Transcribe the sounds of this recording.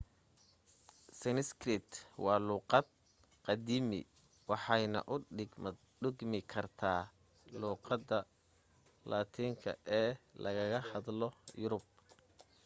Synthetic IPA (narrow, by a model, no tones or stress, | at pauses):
sɛnɪskrɪt̪wɑːluːqɑd̪̚ | qɑd̪iːmɪ̰ | wɑħɑjnɐ̰ʔʊɖɪɡm | ɖɪɡmɪkʰɐrt̪ʰaː | luːqɑd̪ɐ | laːt̪ʰiːŋkʰɐ̰ʔɛːlɐɣɐɣɐhɑd̪lɔjʊɾʊb̚